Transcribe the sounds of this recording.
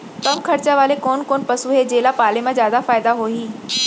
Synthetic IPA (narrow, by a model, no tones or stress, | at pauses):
kɐmkʰɐɾt͡ɕaʋaːlekoːnkoːnpɐsuɦed͡ʑeːlapaːlemãzjaːd̪afaːɪd̪aɦoːiː